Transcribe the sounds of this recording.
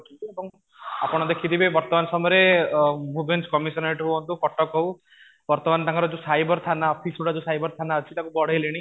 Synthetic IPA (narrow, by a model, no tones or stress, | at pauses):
t̪iebɔŋ | apɔɽ̃ɔd̪ekʰid̪ibebɔɾt̪ɔmansɔmɔɾebʱubenskɔmisɔneʈɦoɔnt̪ukɔʈɔkɦow | bɔɾt̪ɔmant̪ãŋkɔɾɔd͡ʒosajbɔɾt̪ʰanaɔpʰisoɽʈad͡ʒosajbɔɾt̪ʰanaɔt͡ʃʰit̪akubɔɽ̤ejleɽ̃i